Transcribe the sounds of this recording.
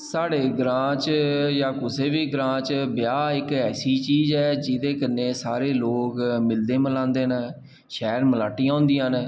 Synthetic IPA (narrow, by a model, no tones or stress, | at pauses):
saːɽeːɡɾãːt͡ʃjaːkʊseːbiːɡɾãːt͡ʃbjaːɪkɛːsiːt͡ʃiːzɛːd͡ʒɪd̪eːkənːeːsaːɾeːloːkmɪld̪eːməlãːnd̪eːnə | ʃɛːɾməlaːʈiːãːʊ̃nd̪iːãn